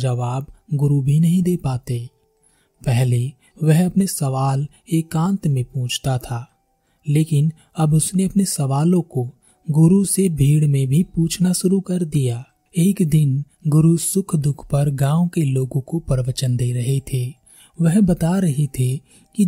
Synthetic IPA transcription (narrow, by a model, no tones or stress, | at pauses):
d͡ʒɐʋaːbɡʊɾubʱinɐɦĩd̪eːpaːt̪eː | pɛɦle | ʋɛɦɐpnesɐʋaːl | eːkãːnt̪mẽpũːt͡ʃʰt̪at̪ʰaː | leːkɪn | ɐbʊsneɐpnesɐʋaːlõko | ɡʊɾusebʱiːɽmẽbʱipuːt͡ʃʰnaʃʊɾukɐɾd̪ijaː | eːkd̪ɪn | ɡʊɾusʊkʰd̪ʊkʰpɐɾɡãːõkeloːɡõkopəɾʋət͡ʃənd̪eːɾɐɦet̪ʰeː | ʋɛɦbɐt̪aɾɐɦet̪ʰe | ki